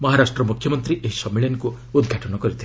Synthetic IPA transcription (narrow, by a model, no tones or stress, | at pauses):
mɔɦaɾasʈɾɔmukʰjɔmɔnt̪ɾiʔeɦisɔmːiɭjenku | ud̪ɡʱaʈɔnɔkɔɾit̪ʰi